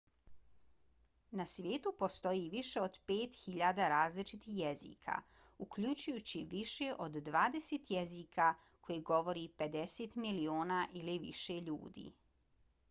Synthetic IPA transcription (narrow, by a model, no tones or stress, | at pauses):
nasʋje̞ːt̪upo̞st̪o̞jiʋiʃe̞od̪peːt̪xiʎad̪aɾaːzlit͡ʃit̪ixjezḭːkʰa̰ | ukʎut͡ɕujut͡ɕiʋiʃeʔod̪ːʋaːd̪eset̪jeziːkʰa | ko̞jiɡo̞ʋo̞ɾipe̞d̪eseːt̪milioːnaʔiliʋḭʃeʎṵːd̪ḭː